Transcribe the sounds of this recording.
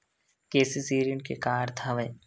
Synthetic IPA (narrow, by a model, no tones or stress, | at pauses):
keːsisiːɾiə̃ɳʈ̚kekaːɾt̪ʰaʋẽː